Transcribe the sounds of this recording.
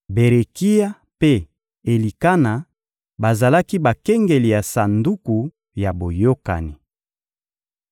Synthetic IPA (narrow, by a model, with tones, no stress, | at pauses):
be˨ʁe˨ki˦ja˦ | pe˦ | e˨li˨ka˦na˨ | ba˨za˨la˦ki˦ba˨kɛ˦ŋɡe˨li˨ja˨sa˨ndu˦ku˨ | ja˨bo˨jo˦ka̰˨ni˨